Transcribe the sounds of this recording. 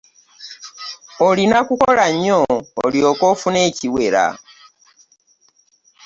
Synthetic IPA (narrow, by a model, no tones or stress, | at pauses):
olinakukolaɲo̰ːljokofuneciweɾa̰